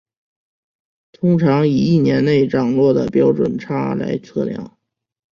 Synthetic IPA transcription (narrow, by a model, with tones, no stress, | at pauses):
t̪ʰʊ˥ŋʈ͡ʂʰɑ˧˥ŋi˨˩i˥˩njɛ˧˥nne˥˩ɪʈ͡ʂɑ˨˩ŋlwɔ˥˩d̪ə̰˩pjɑ˥ʊʈ͡ʂwə̰˨˩nʈ͡ʂʰa˥la̰˧˥ɪt͡sʰɤ̰˥˩ljɑ̰˥˩˦ŋ